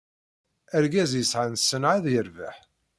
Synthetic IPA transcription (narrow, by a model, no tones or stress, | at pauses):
æɾɡæzjəsʕənsːənʕaðjəɾvəħ